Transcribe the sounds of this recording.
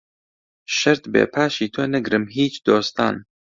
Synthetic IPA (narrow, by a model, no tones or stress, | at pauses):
ʃɐɾt̪bḛːpʰaːʃiːt̪ʰonɛɡɾɨmɦiːt͡ʃd̪oːst̪a̰ːn